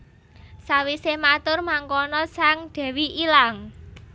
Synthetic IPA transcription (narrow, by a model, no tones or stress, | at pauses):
sawisemat̪ʊrmaŋkɔnɔsaŋd̪̥ɛ̤wiʔilaŋ